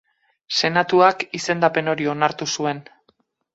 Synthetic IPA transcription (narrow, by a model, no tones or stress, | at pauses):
se̞nat̪uakise̞nd̪ape̞no̞ɾio̞naɾt̪usue̞n